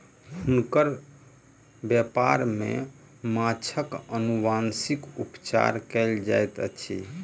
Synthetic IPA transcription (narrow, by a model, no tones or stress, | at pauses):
hunkəɾ | bjɛpaɾmḛ | mat͡ʃʰəkənubansikupt͡ʃa̰ɾkɛld͡ʒa̰jt̪ə̰t͡ʃʰḭ